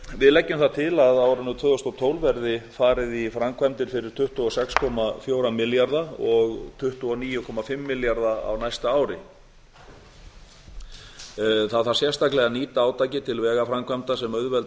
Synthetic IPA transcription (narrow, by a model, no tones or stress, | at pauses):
vɪðlɛcːʏmθat̪ʰɪlaðawɾʏnʏt̪ʰvʏːðɔst̪ɔwt̪ʰoːwlvɛɾðɪfaːɾɪðifɾamkʰvamt̪ɪɾ̥fɪɾɪɾ̥t̪ʰʏht̪uɔsɛkskʰɔmafjowɾamɪljaɾðaɔɣt̪ʰʏht̪uɔniːjʏkʰɔmafɪmːɪljaɾðaa̰wnajst̪aaːwɾɪ | θaðθaɾ̥sjɛst̪aklɛɣaniːt̪aaːwt̪ajcɪt̪ʰɪlvɛːɣafɾamkʰvamt̪asɛmœɥðvɛlt